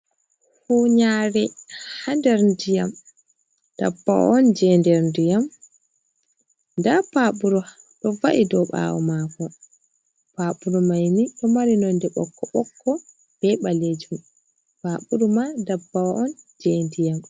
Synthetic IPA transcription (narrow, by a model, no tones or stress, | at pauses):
huɲaɾɛhandɛɾndijam | d̥a̰bːawɔ̰ʔɔnd͡ʒɛndɛɾndijam | ndapaɓuɾu | ɗɔvaʔidɔɓa̰wɔ̰makɔ | paɓuɾumajniɗɔmaɾinɔndɛɓɔ̰kʰːɔɓɔkʰːɔ | b̥ɛɓaled͡ʒum | paɓuɾumadabːaʔɔnd͡ʒɛndijam